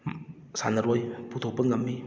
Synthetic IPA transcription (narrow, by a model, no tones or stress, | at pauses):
sa̰nɐɾojput̪ʰok̚pəŋɐmːi